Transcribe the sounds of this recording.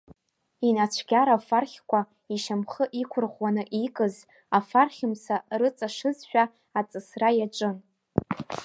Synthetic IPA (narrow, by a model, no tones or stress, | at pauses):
inat͡ɕʷʰɡʲaɾafarχʲkʷa | iʃamχəʔikʷʰʊrʁwanɨʔikʼɨz | afarχʲɪmsarɨt͡sʼaʂɨzʃᶣa | at͡sʼɨsrajaʈ͡ʂʷʼɨn